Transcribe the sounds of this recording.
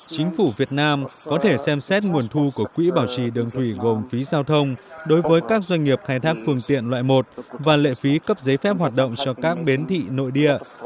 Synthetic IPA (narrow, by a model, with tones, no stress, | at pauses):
t͡ɕï˨˦ŋ̟fu˧˩vi˨˩ət̚naː˧mkɔ˨˦t̪ʰe˧˩sɛ˧msɛ˦˥t̚ŋu˨˩ənt̪ʰu˧ku˧˩əkwḭ˧˥ɓaː˧˩wt͡ɕi˧˩ɗɨ˨˩əŋt̪ʰwi˧˩ɣo˨˩mfi˨˦zaː˧wt̪ʰə˧wŋ͡mɗo˨˦jvəː˨˦jkaː˦˥k̚zwa˧jŋ̟ŋi˨˩əp̚xaː˧jt̪ʰaː˦˥k̚fɨ˧əŋt̪ḭ˧˨ənlwa̰ː˧˨jmo˨˩t̚vaː˨˩lḛ˧˨fi˨˦kə˦˥p̚zə˨˦jfɛ˦˥p̚ɦaː˨˩t̚ɗə̰˧˨wŋ͡mt͡ɕɔ˧kaː˦˥k̚ɓe˨˦nt̪ʰḭ˧˨no̰˧˨jɗḭ˧˨ə